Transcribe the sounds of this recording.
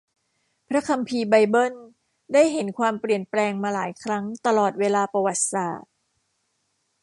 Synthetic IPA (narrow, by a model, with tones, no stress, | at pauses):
pʰɾa˦˥kʰa˧mpʰiː˧ba˧jbɤ˥˩n | daː˥˩jɦe˩˦nkʰwaː˧mpɾi˨˩ənplɛː˧ŋmaː˧laː˩˦jkʰɾa˦˥ŋt̪a˧lɔː˨˩t̪̚weː˧laː˧pa˧wa˨˩t̪̚sa̰ː˨˩t̪̚